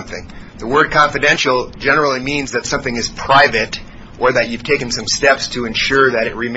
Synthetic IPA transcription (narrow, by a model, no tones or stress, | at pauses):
mθɪ̰̃ŋ | ðəwɜ˞d̚kʰɑ̃ɱfɨdɛ̃nʃl̩ˠd͡ʒɛnə˞l̩ˠimĩnzðɨtsʌ̃mθɪ̃ŋɨz̥pʰɹ̥aɪvɨɾ | ʔə˞ðɨt͡ʃʉv̥tʰeɪkɨ̃n̩sʌ̃mstɛpstʰɨɨ̃nʃʊɹðɨɾɨt̚ɹɨm